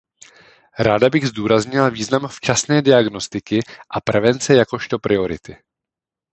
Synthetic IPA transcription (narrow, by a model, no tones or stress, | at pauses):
ɾaːdabɪɣzduːɾazɲɪlaviːznamft͡ʃasnɛːdɪaɡno̞st̪ɪkɪʔapɾɛvɛnt͡sɛjako̞ʃt̪o̞pɾʔɪo̞ɾɪ̰t̪ɪ